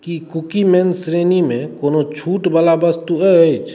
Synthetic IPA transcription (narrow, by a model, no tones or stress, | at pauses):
kikukimɛnsɾenimẽkoːnot͡ʃʰuːʈbalabəst̪uɛt͡ʃʰ